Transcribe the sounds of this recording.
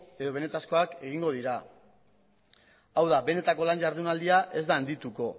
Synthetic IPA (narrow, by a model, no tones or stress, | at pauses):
e̞ðo̞β̞e̞ne̞t̪asko̞ake̞ɣ̞iŋɡo̞ð̞iɾa | awðabe̞ne̞t̪ako̞lanʝaɾðunald̪iaʔe̞zd̪aːnd̪it̪uko̞